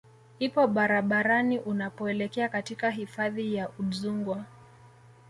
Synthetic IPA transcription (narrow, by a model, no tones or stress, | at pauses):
hipɔɓaɾaɓaɾaniʔunapɔɛlɛkɛakatikaɦifaðijaʔuzuŋɡwa